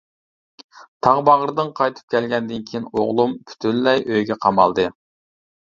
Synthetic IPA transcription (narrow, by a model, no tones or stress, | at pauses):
t̪ʰɑʁbɑʁɾɨd̪ɨnqʰɑjt̪ʰɨ̥p̚kʲʰɛlɡʲɛnd̪ɪnkʲʰijinoʁlˠumpʰy̥t̪ʰynlɛjʔøjɡʲɛqʰɑmɑ̰lˠd̪ɨ